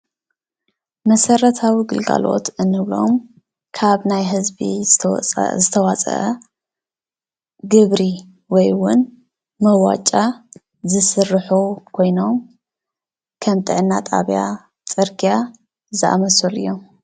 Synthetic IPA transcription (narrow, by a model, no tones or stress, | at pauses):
mɐsɐɾɐt̪ʰawiɡɨlɡa̰lo̞̰t̪ɨnːɨβlo̞̰m | kʰaβnajɦɨzbḭ | zɨt̪ʰɐwat͡sʼɐ̰ʔɐ | ɡɨβɾi | wɔjwʊn | mɐwa̰t͡ʃʼa | zɨsɨrɨħukʰo̞jno̞m | kʰɐmt̪ʼɨʕɨnːat̪ʼa̰βja̰ | t͡sʼɨɾkʰʼija | zɨʔa̰mɐsolɨ̰jːo̞m